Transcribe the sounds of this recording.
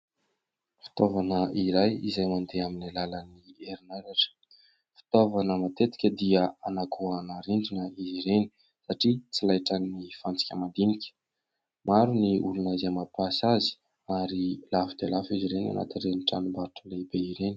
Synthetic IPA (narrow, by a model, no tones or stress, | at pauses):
fi̥t̪ovanəiɾajizajmand̪eaminalalənieɾinaɾaʈ͡ʂə̥ | fi̥t̪ovanəmat̪et̪i̥kʲəd̪iəanakʰuanaɾiɳɖ͡ʐinəiziɾeni̥ | saʈ͡ʂit͡silajʈ͡ʂannifant͡si̥kʲəmad̪inikʲə̥ | maɾuniulunazamapasazi̥ | aɾilafud̪elafiziɾena̰na̰t̪inreniʈ͡ʂanumbaɾuʈ͡ʂəlebeiɾeni̥